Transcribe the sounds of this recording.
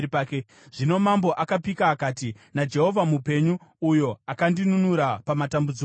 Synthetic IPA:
pake | ʐ̥ino̞mambo̞ʔakapikaːkaːti | nad͡ʒe̞ɦo̞vamupe̞ɲuːjo̞akandinunuɾapamatambud͡zi

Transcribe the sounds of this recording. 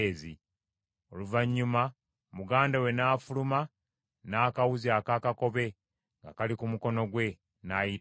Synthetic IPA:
zi | oluvaɲːuma | muɡaːndawe̞naːfuluma | naːkawuziakakako̞βe̞ | ŋɡa̰kalikumuko̞no̞ɡwe̞ | naji

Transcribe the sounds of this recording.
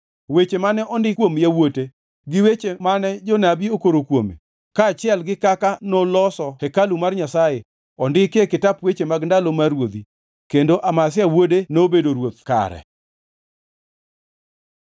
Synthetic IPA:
wet͡ʃemanɛʔɔndɪkwomjawote | ɡɪwet͡ʃemanɛd͡ʒɔnabiokoɾokwomḛ | kaːt͡ʃɪɛlɡɪkakanɔlɔsɔhɛkalumarɲasaje | ɔndɪkekɪtapwet͡ʃemaɡndalomaɾwod̪i | kendoʔamasɪawodenobedoɾwot̪̚ka̰ɾɛ̰

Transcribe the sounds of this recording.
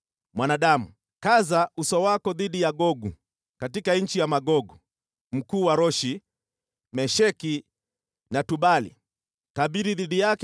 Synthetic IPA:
mwanaɗamu | kazausɔwakɔðiɗijaɡɔɡu | katikaɲ̩t͡ʃijamaɡɔɡu | m̩kuːwaɾɔʃi | mɛʃɛki | natuɓalḭ | kaɓiɾiðiɗijak

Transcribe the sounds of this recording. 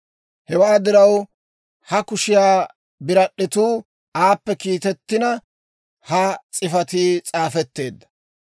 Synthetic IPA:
hɛwaːd̪ɪɾɐw | hɐkʊʃɪjaː | bɪɾɐɗːɪt̪uː | aːpːɛkiːt̪ɛt̪ːɪnɐ | hɐt͡sʼɪfɐt̪iːt͡sʼaːfɛt̪ːe̞ːd̪ːɐ̥

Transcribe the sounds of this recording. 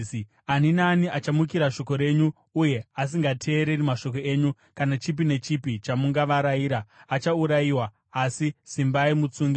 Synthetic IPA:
aninaniʔat͡ʃamukiɾaʃo̞ko̞ɾe̞ɲuː | je̞as̬iŋɡatʰe̞ːɾe̞rimaʃo̞ko̞e̞ɲu | kanat͡ʃip̬ine̞t͡ʃipit͡ʃamuŋɡaʋaɾaiːɾaːt͡ʃauɾajiwaː | sisimbaimut͡suːŋɡi

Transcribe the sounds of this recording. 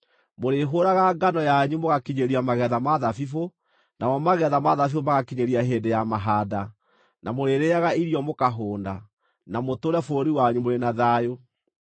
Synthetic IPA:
moɾeɦoːɾaɣaɡanɔjaɲumoɣakiɲeɾiamaɣɛðamaðafifo | namɔmaɣɛðamaðafifomaɣakiɲeɾiaɦeːdejamaɦaːda | namoɾeːɾeaɣaiɾiɔmokaɦoːnda | namotoɾɛfoɾiwaɲumoɾenaðajo

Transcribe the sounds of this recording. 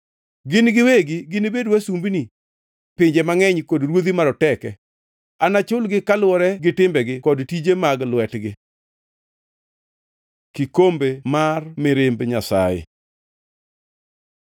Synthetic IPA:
ɡɪnɡɪweɡɪɡɪnibedwasumbini | pɪɲd͡ʒemaŋɛɲkɔdɾwod̪imaɾɔtɛkɛ | anat͡ʃʊlɡɪkalwɔɾɛɡɪtɪmbɛɡɪkɔdtid͡ʒemaɡlwɛtɡɪ | kikombemarmɪɾɪmbɲasa̰jḛ

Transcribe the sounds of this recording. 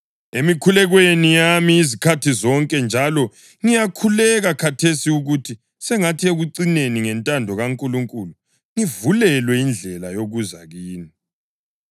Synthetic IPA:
emikʰulɛɣwenijamiːzikʰatʰizɔŋkʼɛnd͡ʒʱalɔ | ŋijakʰulɛɣakʰatʰesiuɣutʰi | sɛŋatʰieɣuǀineniŋɛntʼandʱɔɣaŋkʼuluŋkʼulu | ŋivulɛlwɛind͡ɮʱɛlajoɣuzaɣiːni

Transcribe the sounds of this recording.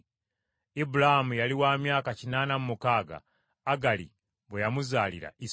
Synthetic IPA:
ibuɾahamujaliwaːmjaːkacinaːnamumukaːɡa̰ː | ɡalḭ | βwejamuzaːlḭɾa̰ʔi

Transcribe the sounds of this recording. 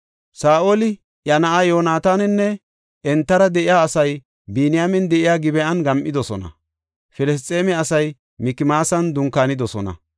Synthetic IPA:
saːʔolɪ | ʔjɐnɐʔajo̞ːnaːt̪aːnɛnːɛ | ɛnt̪ːɐɾɐd̪ɛʔɪjaːsɐj | biːnɪjaːmɛnd̪ɛʔɪjaːɡɪbɛɐnɡɐmʔɪd̪ɔsɔnɐ̰ | fɛlɛs̬t̪ʼːeːmɛɐsɐj | mɪkːɪmaːsɐnd̪ʊŋkːaːnɪd̪ɔsɔnɐ̰

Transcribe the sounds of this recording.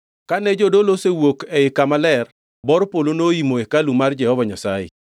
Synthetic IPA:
kanɛd͡ʒodolosewokɛɪkamalɛr | bɔɾpolonoimoekalumard͡ʒɛhɔvaɲasa̰jḛ

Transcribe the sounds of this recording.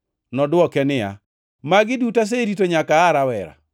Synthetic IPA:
nɔdʊwɔkɛnɪa̰ | maɡɪdutas̬eɾitoɲakaːɾawɛɾa̰

